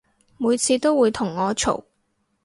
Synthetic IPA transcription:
muː˨˧jt͡sʰiː˧t̪o˥wwuː˨˧jt̪ʰʊ˨˩ŋːɔː˨˧t͡ʃʰo̰˨˩w

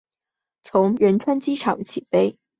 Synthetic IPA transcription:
t͡sʰʊ˧˥ŋɻə˧˥nt͡sʰa˥nt͡ɕi˥ʈ͡ʂʰɑ˨˩˦ŋt͡ɕʰi˨˩pe˥ɪ

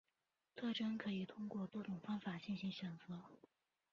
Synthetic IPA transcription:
t̪ʰɤ˥˩ʈ͡ʂɤ˥ŋkʰɤ˧˥i˨˩t̪ʰʊ˥ŋkwɔ˥˩t̪wɔ˥ʈ͡ʂʊ˨˩ŋfɑ˥ŋfa˨˩t͡ɕi˥˩nɕi˧˥ŋɕɥɛ˨˩nt͡sɤ˧˥

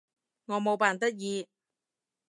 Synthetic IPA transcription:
ŋɔː˨˧mo˨˧wpaː˨˩nt̪ɐ˥k̚jiː˨˧

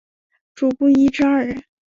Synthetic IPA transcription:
ʈ͡ʂu˨˩pu˥˩i˥ʈ͡ʂɻ̩˥a˞˥˩ə˥˦

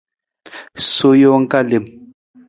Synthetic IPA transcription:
so˦jɔ˦ŋ̩˦ka˦le˨m

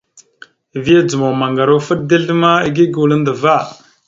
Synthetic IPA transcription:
vi˦a˦d͡zu˨mo˨ma˨ŋɡa˨ɾo˦fə˦ɗ̚de˦ɮə˦ma˦i˦ɡi˦ɡu˨lə˦ndə˨va˦˨

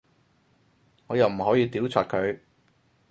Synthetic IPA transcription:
ŋɔː˨˧jɐ˨˩wm̩˨˩ɦɔː˨˥jiː˧t̪iː˨˥wt͡sʰɔː˨t̚kʰɵ˨˧ɥ

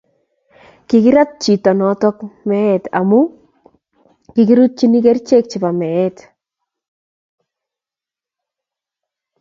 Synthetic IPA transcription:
kɪ˨kɪ˦ɾa˦t̚t͡ʃi˨tɔ˨nɔ˨˦tɔ˦kmɛ˦ɛ˨ta̰˨mu˦ | kɪ˨ki˦ɾu˦t̚t͡ʃi˦ni˦ke˦ɾt͡ʃe˦k̚t͡ʃɪ˨pa˨mɛ˨ɛ˦t

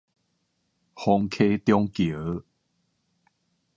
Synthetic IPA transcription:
hɔ˧ŋkʰe˦t̪jɔ˦ŋkjə˨˦

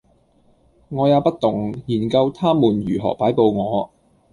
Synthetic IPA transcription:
ŋɔː˨˧jaː˨˧wpɐ˥t̚t̪ʊ˨˩ŋjiː˨˩nkɐ˧wt̪ʰaː˥muː˨˩njyː˨˩ɦɔ̰ː˨˩paː˨˥jpo˧wŋɔː˨˧

